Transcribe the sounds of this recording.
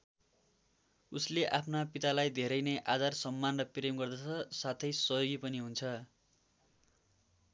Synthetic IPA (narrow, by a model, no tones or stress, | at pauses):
usleʔapʰnapit̪alajd̪ʱeɾʌjnʌjʔad͡zarsʌmːanrʌpremɡʌrd̪at͡sʰʌsat̪ʰʌjsʌjoɡipʌniɦunt͡sʰʌ